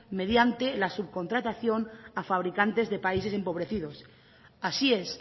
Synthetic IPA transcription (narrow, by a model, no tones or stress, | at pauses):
me̞ð̞jant̪e̞lasub̚ko̞nt̪ɾat̪aθjo̞nafaβ̞ɾikant̪e̞zðe̞pais̬e̞se̞mpo̞β̞ɾe̞θið̞o̞s | asie̞s